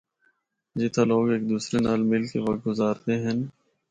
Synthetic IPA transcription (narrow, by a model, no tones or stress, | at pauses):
d͡ʒɪt̪ʰaloːɡeːk̚d̪uːsɾenaːlmɪlkeʋɐkt̪̚ɡʊzaːɾt̪eɦɛ̃n